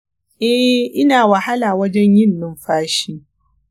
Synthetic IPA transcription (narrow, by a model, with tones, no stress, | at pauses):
ʔɛ˦ʔɪ˦naː˨wɐ˨ha˦laː˨wɐ˦d͡ʒɛ˦ɲjɪ˦nːɪ˦mɸaː˦ʃiː˦